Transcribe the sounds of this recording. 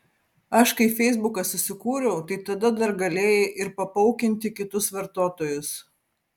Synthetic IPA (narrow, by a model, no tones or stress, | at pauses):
ɐʃkɐɪfʲɛɪzbʊkɐsʊsʲɪkuːɾʲɛʊt̪ɐɪt̪ɐd̪ɐd̪ɐɾɡɐlʲeːjɛʔɪɾpɐpɐʊkʲɪnʲt̪ʲɪkʲɪt̪ʊsʋɐɾt̪oːt̪oːjʊs